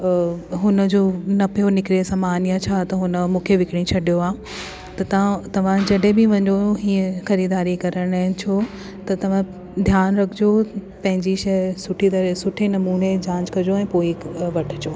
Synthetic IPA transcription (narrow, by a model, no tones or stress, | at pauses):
ɦʊnə̆d͡ʑoːnɐpijonɪkɪɾesɐmaːnijat͡ɕʰat̪ɐɦʊnəmũːkʰeʋɪkɪɽ̃ĩt͡ɕʰɐɗijoaː | t̪ɐt̪ɐãt̪ɐʋ̤ãd͡ʑɐɗɦẽbɪʋɐ̃ɲd̪oɦiːə̃xɐɾiːd̪aːɾikɐɾəɽ̃aːɪ̃t͡ɕʰo | t̪ɐt̪ɐʋ̤ã | d̪ʱjaːnɾɐkʰɪd͡ʑo | pɐ̃ɦɪ̃ɲd͡ʑiʃɐjsʊʈʰit̪̬ɐɾesʊʈʰenɐmuːned͡ʑãːɲd͡ʑkɐd͡ʑoɛ̃ːpoːiʋɐʈʰɪ̥d͡ʑoː